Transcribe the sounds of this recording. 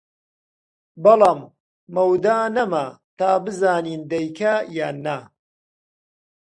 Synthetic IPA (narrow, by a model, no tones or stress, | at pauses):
bɑlɑːmː | ɐwd̪aːnɐmɐt̪aːbɨzaːniːnd̪ɐjkʰɐjaːnːɐ